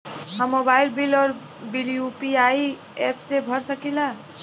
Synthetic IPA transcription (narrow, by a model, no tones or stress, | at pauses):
ɦəmːobailbilɔːɾ | biljupiai | epʰsebʱəɾsəkila